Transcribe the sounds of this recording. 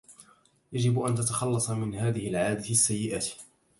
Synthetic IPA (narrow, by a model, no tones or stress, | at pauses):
jad͡ʒɪbʔant̪at̪axɑlːɑsˤɑmɪnhaːðɪhɪlʕaːd̪aasːajːɪʔaːt̪